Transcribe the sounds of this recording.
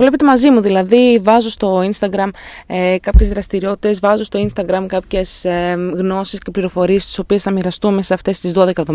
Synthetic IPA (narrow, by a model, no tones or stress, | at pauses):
vle̞pe̞t̪e̞mɐzimuðilɐðivɐzost̪o̞inst̪ɐɡɾɐmekɐpçe̞zðɾɐst̪iɾio̞t̪i̥t̪e̞zvɐzost̪o̞inst̪ɐɡɾɐmkɐpçe̞sɣno̞sisce̞pliɾo̞fo̞ɾiest̪i̥so̞pie̞sθɐmiɾɐst̪unme̞sɐsɐft̪e̞st̪izðo̞ðe̞kɐevðo̞m